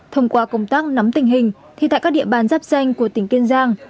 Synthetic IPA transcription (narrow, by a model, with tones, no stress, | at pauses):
t̪ʰə˧wŋ͡mkwaː˧kə˧wŋ͡mt̪aː˦˥k̚na˨˦mt̪ï˨˩ŋ̟ɦï˨˩ŋ̟ | t̪ʰi˧˩t̪ʰa̰ː˧˨kaː˦˥k̚ɗḭ˧˨əɓaː˨˩nzaː˦˥p̚za˧jŋ̟ku˧˩ət̪ï˨˧˩ŋ̟ke˧nzaː˧ŋ